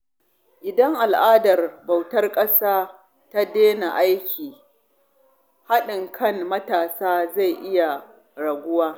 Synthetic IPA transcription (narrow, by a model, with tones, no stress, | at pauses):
ʔɪ˨dɐ˦ŋʔa˨lʔaː˦dɐ˨rba˨wtɐ˦rkʼɐ˦saː˦ | ta˦deː˦na˨ʔa˦jkʲiː˨ | ha˦ɗɪ˨ŋkʰɐ˦nmɐ˦taː˨saː˦za˦˨jʔɪ˦ja˨ | ɽɐ˨ɡʷʊ˦waː˦